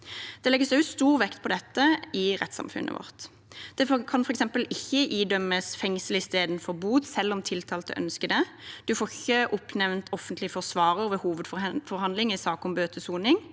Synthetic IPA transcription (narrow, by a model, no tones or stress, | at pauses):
dd̪̥ɛlɛɡːəsɛʉst̪uːʁʋɛkt̪̚pʰɔd̪ɛt̪ːəɪʁɛ̰t̪sɑ̰mfʉ̰nʔə̰ʋɔ̰ʁt̪ | d̪̥ɛfkʰɑnfɔʁɛksɛmpəlɪçːəʔiːd̪œməsfɛŋsəlɪst̪eːd̪nfɔʁbuːt̪sɛlːɔmt̪ʰɪlt̪ʰɑːlt̪ə̰ʔœ̰nskəd̪ɛd̪̥ʉfoːʁɪçːəʔʊpnɛʋnt̪ɔfənt̪lɪfɔʁsʋɑːɾəɾʋɛhuːʋəd̪ffɔʁhɑnd̪lɪŋɪsɑːkɔmbøːt̪əsuːnɪŋ